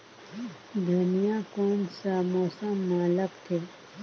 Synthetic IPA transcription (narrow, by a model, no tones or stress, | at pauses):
d̪ʱɐnijãkoːnsamoːsəmːaːləkt̪ʰe